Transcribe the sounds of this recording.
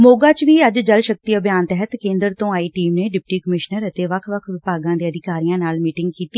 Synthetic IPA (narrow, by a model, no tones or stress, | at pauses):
moːɡaːt͡ʃʋiːəd͡ʒd͡ʒəlʃək̚t̪iːəbʱjaːnt̪ɛɦət̪kẽːnd̪əɾt̪õːaːiːʈiːmneːɖɪp̚ʈiːkəmɪʃnəɾət̪eːʋəkʰʋəkʰʋɪpaːɡãːd̪eːəd̪ɪkaːɾijãːnaːlmiːʈɪ̃ŋɡkiːt̪iː